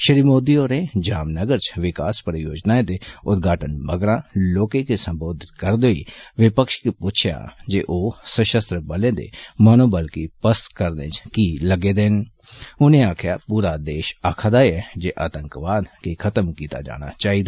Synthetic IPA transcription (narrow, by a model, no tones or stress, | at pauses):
ʃəɾiːmoːd̪ioɾed͡ʒaːmnəɡəɾt͡ʃʋɪkaːspəɾəjoːd͡ʒnaːẽd̪eʊt̪ɡʱaːʈənbəɡɾãːloːkekesə̃mboːd̪ʱɪt̪̚kəɾd̪oːḭʋɪpəkʃkipʊt͡ʃʰja̰ːd͡ʒeːʔoːsəʃəst̪ɾəbəlẽːd̪ḛmanoːbəlkipəst̪kəɾd̪ḛ̃t͡ʃkiləɡeːd̪eːn | ʊnẽaːkʰjaːpuːɾad̪eːʃaːkʰad̪aːjɛd͡ʒeːʔaːt̪ə̃ŋkʋaːd̪kikʰət̪əmkiːt̪a̰d͡ʒa̰ːɽ̃a̰t͡ʃaːɦid̪aː